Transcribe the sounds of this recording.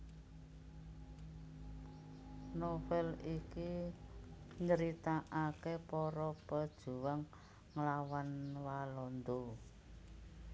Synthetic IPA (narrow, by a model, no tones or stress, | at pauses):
nofɛliki | ɲəɾit̪aʔakepɔɾɔpəd̥ʒ̥ṳwaŋː | əlawanwalɔnd̪o